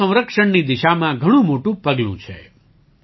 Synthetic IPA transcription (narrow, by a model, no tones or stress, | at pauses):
ə̃w̃ɾəkʂəɳnid̪iʃamãɡʱəɽ̃ũmoʈũpəɡlṵ̃t͡ʃʰḛ